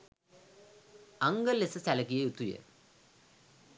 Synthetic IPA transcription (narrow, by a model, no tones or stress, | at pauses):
ɐŋɡɐlːesɨsɐlɐkːijejut̪ːujḛ